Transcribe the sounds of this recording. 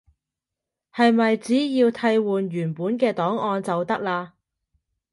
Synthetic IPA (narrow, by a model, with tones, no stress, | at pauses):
hɐ˨jmɐ˨jt͡siː˨˥jiː˧wt̪ʰɐ˧jwuː˨nɥyː˨˩npuː˨˥nkɛː˧t̪ɔː˨˥ŋɔː˧nt͡sɐ˨wt̪ɐ˥k̚laː˧